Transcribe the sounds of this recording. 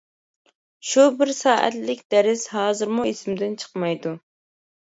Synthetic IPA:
ʃubɪɾsɑːʔæ̰t̪lɪkʲd̪ɛɾɪsɦɑːzɨɾmuisɪmɪd̪ɪnt͡ʃʰə̥qmɑjd̪u

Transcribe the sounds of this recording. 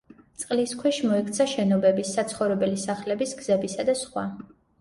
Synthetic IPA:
t̪sʼqʼliskʰwɛʃmɔɛkʰt̪sʰaʃɛnɔbɛbisːat̪sʰχɔvɾɛbɛlisaχlɛbisɡz̥ɛbisad̪asχwa̰

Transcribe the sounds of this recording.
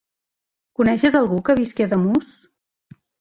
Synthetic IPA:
kunɛʃəzəlˠɣukəβiskiaðəmus

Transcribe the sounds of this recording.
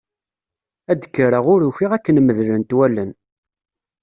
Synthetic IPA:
æd̪əkːəɾəʁʊɾuçiʁækːənməðlənt̪wælən

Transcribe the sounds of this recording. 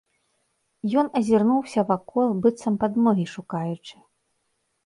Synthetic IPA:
jɔnɐzʲirnuwsʲɐvakɔlˠbɨt̪sɐmpad̪mɔɣʲiʂukajut͡ʂɨ̥

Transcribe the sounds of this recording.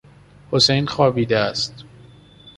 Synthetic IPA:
hosejnxɒːbiːd̪eæst̪

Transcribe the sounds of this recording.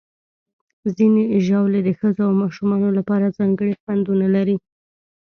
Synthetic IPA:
zineʒawled̪əxəzoawmɑʃumɑnolapɑɾazɑŋɡəɽixwand̪unalaɾi

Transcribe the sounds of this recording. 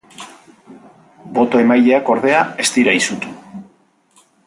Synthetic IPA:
bo̞t̪o̞e̞majʎe̞ako̞ɾð̞e̞ae̞st̪iɾajsut̪u

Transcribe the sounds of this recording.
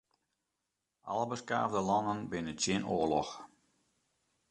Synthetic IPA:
ʔɑ̰lˠəbəska̰ːvdəlɑnənbɪnət͡ʃjɪnʔoərlɔx

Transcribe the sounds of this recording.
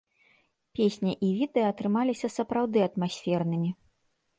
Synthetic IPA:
pʲesʲnʲɐʔivʲid̪ɛjɐːt̪ɾɨmalʲisʲɐsɐpɾawd̪ɨɐt̪masʲfʲɛrn̪ɨmʲi

